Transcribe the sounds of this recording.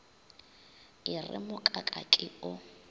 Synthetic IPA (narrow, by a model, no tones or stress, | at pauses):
ɪrɪ̰mʊkʼakʼa̰kʼɪʊ